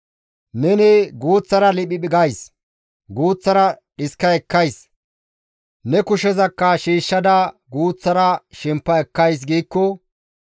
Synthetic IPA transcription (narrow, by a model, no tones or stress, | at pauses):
nɛnɪɡuːt͡sːɐɾɐlɪɓɪɓɪɡɐjs | ɡuːt͡sːɐɾɐᶑɪskːɐɛkːɐjs | nɛkʊʃɛzɐkːɐʃiːʃːɐd̪ɐɡuːt͡sːɐɾɐʃɛmpːɐɛkːɐjs̬ɡiːkːɔ